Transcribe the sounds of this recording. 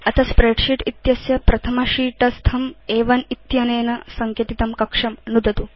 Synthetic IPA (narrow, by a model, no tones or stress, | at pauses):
ɐt̪ʰɐspɾeɖʂiʈit̪jɐsjɐpɾɐt̪ʰɐmɐʂiːʈɐst̪ʰɐmeːʋɐnit̪jɐneːnɐsɐŋkjɐʈit̪ɐmkɐkʂɐmnud̪ɐt̪u